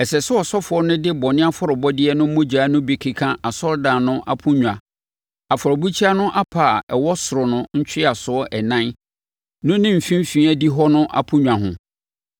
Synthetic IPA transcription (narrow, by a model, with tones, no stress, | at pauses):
ɛ˨sɛ˨sʊ˦ɔ˨sɔ˦fʊ˨ɔ˦nʊ̃˦dɪ˦bɔ˨nɪ̃˦a˦fɔ˦ɾʊ˨bɔ˦dɪ˦ɛ˦nʊ̃˦m̩˦mʊ̃˦d͡ʑᶣaː˨˦nʊ̃˦bi˨kʰi˨kʰã˦ʔa˨sɔ˦ldã˨nʊ̃˦ʔa˦pʰʊ̃˦ɲᶣ˨ã˨ | a˨fɔ˨ɾɔ˨bu˦t͡ɕʰi˦a˦nʊ̃˦ʔa˦pʰa˨ɛ˨wɔ˦sʊ˨ɾʊ˨nʊ̃˦ɲ̩˦t͡ɕʰᶣɪ˦a˨sʊ˨ɔ˦ʔɛ˨nã˦n | nʊ̃˦nɪ̃˦m̩˨fĩ˦m˦fĩ˨˦a˦di˦ɦɔ˦nʊ̃˦ʔa̰˦pʰʊ̃˦ɲᶣ˨ã˨ɦʊ̰̃˨